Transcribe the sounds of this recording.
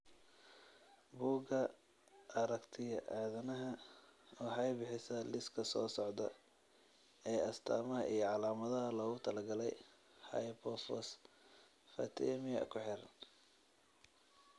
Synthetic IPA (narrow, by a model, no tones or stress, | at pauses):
buːɡɐ | ʔɐɾɐkt̪ʰɪjɐʔaːðɐnɐɦɐɔːħɑjbɪħɪsɐlɪskʰɐsɔːsɔʕd̪ɐ | ɛːɐst̪ʰaːmɐɦɐʔijɞʕɑlaːmɐðɐɦɐlɔːɣʊt̪ʰɐlɐɡɐlɛj | hɐ̰jpʰɔfɔs | fɐ̰t̪ʰɛmɪɐ̰kʰʊħɪr